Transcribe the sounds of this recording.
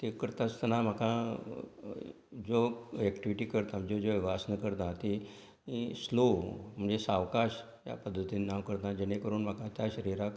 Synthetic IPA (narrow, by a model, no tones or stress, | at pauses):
t̪ekəɾt̪at͡st̪ənam̤akã | d͡zoɛkʈiʋiʈiːkəɾt̪am̤əd͡zod͡zoʋiʋasnəkəɾt̪ãt̪e | slom̤əɳd͡zesaʋkaɕ | ja̰pəd̪ʱːət̪iːnnaʋkəɾt̪ãd͡ʑeɽ̃ekəɾuːnm̤akat̪jaɕəɾiɾak